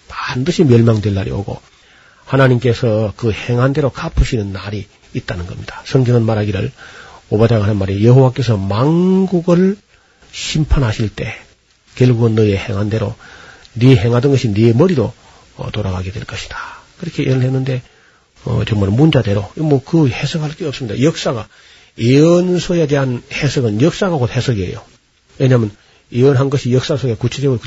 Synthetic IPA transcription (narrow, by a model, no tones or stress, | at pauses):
pandɯɕʰimjʌɭmaŋdwe̞ɭːaɾʔḭo̰ɡo̰ | hanaɲimk͈e̞sʰʌkɯheŋɦande̞ɾokapʰɯɕʰinɯnːaɾiː | t̚t͈anɯnɡʌ̰mɲid̥ḁsʰʌŋɡʌŋɯnmaɾɦaɡiɾɯɭobadaŋɦanɯnmaɾijeɦowak͈e̞sʰʌmanɡuɡɯɭ | ɕʰimpʰanɦaɕʰiɭt͈e̞ | kjʌɭɡuɡɯnːʌehe̞ŋɦande̞ɾoniɦe̞ŋɦadɯnɡʌɕʰinemʌɾiɾo̰ | toɾaɡaɡedwe̞̰ɭk͈ʌɕʰi̥d̥ḁkɯɾʌkʰeinɯɭɦenːɯnde̞ | ʌ̰t͡ɕʌŋmaɭmund͡ʑade̞ɾomʌkɯhesʰʌɡaɭk͈eʌp̚sɯmɲida̰jʌk̚s͈aɡa | eʌnsʰoede̞ɦanhesʰʌɡɯnjʌk̚s͈aɡaɡothesʰʌɡiḛjo̰ | we̞ɲamjʌn | eʌnɦanɡʌɕʰijʌk̚s͈asʰoɡe̞kut͡ɕʰed͡ʑeɡɯɾ